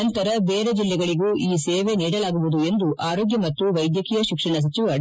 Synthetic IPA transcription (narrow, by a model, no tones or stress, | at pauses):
ɐnt̪ɐɾɐbeːɾed͡ʒilːɛɡɐɭiɡuːʔiːseːʋeniːɽɐlaːɡuʋud̪ue̞nd̪uʔaːɾo̞ːɡjɐmɐt̪ːuʋɐjd̪jɐkijɐʃikʂɐɳɐs̬ɐt͡ʃiʋɐ